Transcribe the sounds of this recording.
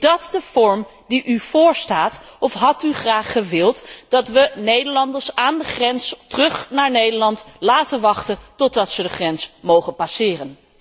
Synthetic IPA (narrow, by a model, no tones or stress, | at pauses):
dɑtdəv̥ɔɹm | diʔyv̥ʊːɹstaːtɔfɦɑtyχraːχəʋɪlˠtd̥ɑtʋənejdəɹlɑndəɹsaːndəχrɛnstərɵχnaːɹnejdəɹlɑntlaːtənʋɑχtəntɔt̚dɑtsədəχrɛnsmowχənpasɪːrən